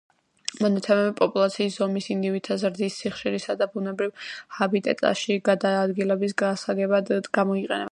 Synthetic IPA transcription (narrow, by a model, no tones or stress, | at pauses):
mɔnat̪sʰɛmɛbipʼɔpʼulˠat̪sʰiːszɔmisind̪ivit̪ʰazɾd̪isːiχʃiɾisad̪abunɛbɾivhabit̪ʼɛ̰t̪ʼa̰ʃiɡad̪aːd̪ɡilɛbisɡasaɡɛbad̪ɡamɔiqʼɛ̰nɛ